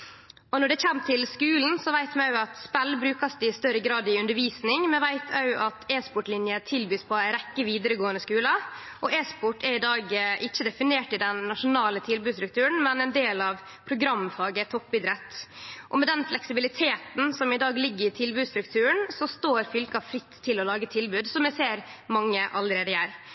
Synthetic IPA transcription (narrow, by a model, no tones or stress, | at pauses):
ɔnɔɖɛçɛmːt̪ʰɪlskʉːln̩sɔʋæɪt̪mɛɑʉɑt̪spɛlːbɾʉːkɑsd̪ɪst̪œɾəɡɾɑːd̪ɪʉnəɾʋiːsnɪŋmɛʋæɪt̪ʰɑʉʔɑt̪ʰeːspɔʈlɪnjət̪ʰɪlbyːspʰɔæɾɛkːəʋiːd̪əɾəɡoːənəskʉːlɑ | ʔɔʔeːspɔʈːɛɾɪd̪ɑːɡʔɪçːəd̪ɛfɪneːʈɪd̪ɛnːɑʂʊnɑːlət̪ʰɪlbʉːst̪ɾʉkt̪ʰʉːɾəɳ̩mɛnɛnd̪eːlɑʋ | pʰɾʊɡɾɑmfɑːɡət̪ʰɔpːɪd̪ɾɛt̪ːʔɔmɛd̪ɛnflɛksɪbɪlɪt̪ʰeːt̪n̩sɔmɪd̪ɑːɡlɪɡːəɾɪt̪ʰɪlbʉːd̪st̪ɾʉk̚t̪ʰʉːɾəɳsɔst̪oːɾfʏlkɑfɾɪt̪ʰːɪlɔlɑːɡət̪ʰɪlbʉːd̪sɔmjɛɪseːɾmɑŋːəʔɑ̰lːəɾeːd̪əjæːɾ